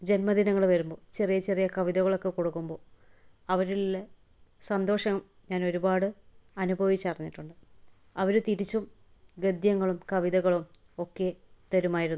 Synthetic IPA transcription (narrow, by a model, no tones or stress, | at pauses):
d͡ʑe̞nmɐd̪inɐŋːɐɭʋɐɾumbo̞ːt͡ɕerijɐt͡ɕerijɐkɐʋiðɐɣɐɭo̞kːe̞kuɽukːumbo̞ː | ɐʋɐɾiːe | sɐnd̪o̞ːʂɐŋum | ɲaːno̞ɾubaːɽɨɐnubʱɐʋit͡ɕːɐɐrɐɲːiʈːuɳɖɨ | ɐʋɐɾut̪iɾit͡ɕːum | ɡed̪jɐŋːɐɭumkɐʋiðɐɣɐɭum | o̞kːe̞t̪ɐɾumaːjiɾunːu